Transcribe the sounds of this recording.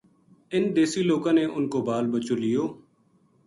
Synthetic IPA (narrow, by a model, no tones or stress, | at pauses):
ɪnd̪eːsiːloːkãːneːʔʊnkoːbaːlbət͡ʃoːlɪjoː